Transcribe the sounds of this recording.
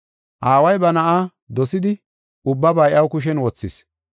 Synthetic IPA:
ʔaːwɐjbɐnɐʔaː | d̪ɔsɪd̪ɪ | ʊbːɐbɐjɐwkʊʃ̬ɛnwɔt͡sːɪs

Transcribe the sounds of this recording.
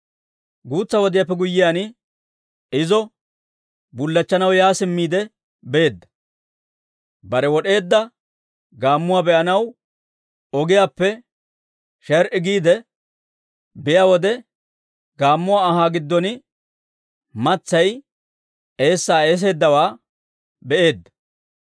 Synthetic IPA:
ɡuːt͡sːɐwɔd̪ɪjapːɛɡʊjːɪjaːnɪ | ɪzɔ | bʊlːɐt͡ʃːɐnɐwjaːsɪmːiːd̪ɛ | be̞ːd̪ːɐ̥ | bɐɾɛwɔɗe̞ːd̪ːɐ | ɡaːmːʊwaːbɛʔɐnɐw | ɔɡɪjaːpːɛ | ʃɛɾʔɪɡiːd̪ɛ | bɪjaːwɔd̪ɛ | ɡaːmːʊwaːɐɦaːɡɪd̪ːɔnɪ | mɐt͡sːɐj | e̞ːsːaːeːs̬e̞ːd̪ːɐwaː | bɛʔe̞ːd̪ːɐ̥

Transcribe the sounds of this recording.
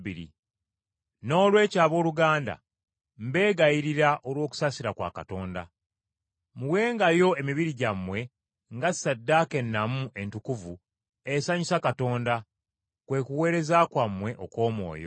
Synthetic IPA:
iɾḭ | no̞ːlwe̞ːcaːβo̞ːluɡaːnda̰ | m̩be̞ːɡajiɾiɾaʔolwo̞ːku̥sasiɾakwa̰ka̰to̞ːnda̰ | muwe̞ːŋɡajo̞e̞miβiɾiɟamːwe̞ | ŋɡasadːaːke̞nːamuʔe̞ntukuvu | esaɲisakato̞ːnda | kwe̞ːkuwe̞ːɾe̞zakwamwe̞ʔoko̞ːmwo̞̰ːjo̰

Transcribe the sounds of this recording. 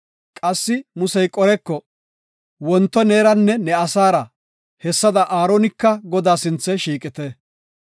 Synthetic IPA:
kʼɐsːɪmʊsɛjkʼɔɾɛkːɔ | wɔnt̪ːɔneːɾɐnːɛnɛɐsaːɾɐ | hɛsːɐd̪ɐʔaːɾonɪkːɐɡɔd̪aːsɪnt͡sːɛʃiːkʼɪt̪ɛ

